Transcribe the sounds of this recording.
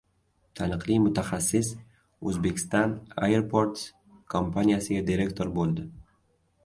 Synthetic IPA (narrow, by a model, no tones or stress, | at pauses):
t̪ʰanɨqlˠijmʊt̪ʰaχasːɪs | ɵzbe̞kʲʰɪ̥st̪ɑna̰jeɾpʰoɾt̪s | kʰompʰanijasɪɡʲad̪iɾe̞kt̪ʰoɾbolˠd̪ɪ